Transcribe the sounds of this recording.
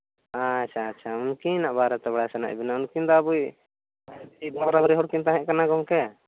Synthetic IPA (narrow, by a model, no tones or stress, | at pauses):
at͡ʃʰaːtːt͡ʃʰaunkinaʔbaɾɔt̪ɛbaɽasɛna̰ʔbinaunkind̪ɔabuj | aib̪aɾɾamɾiɦɔɽkint̪aɦɛ̃ʔkanaɡɔŋkɛ